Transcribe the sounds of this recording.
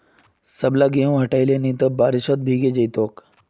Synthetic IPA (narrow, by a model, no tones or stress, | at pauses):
səblaɡeũɦɐʈajlenit̪əbaɾiʃot̪̚bʱiːɡed͡ʑɐjt̪oːk